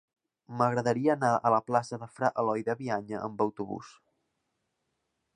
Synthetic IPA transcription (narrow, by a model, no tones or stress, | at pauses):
məɣɾəðəɾiəːnaələplasəðəfɾaʔəlɔjðəβiaɲəʔə̰mbəwt̪uβṵs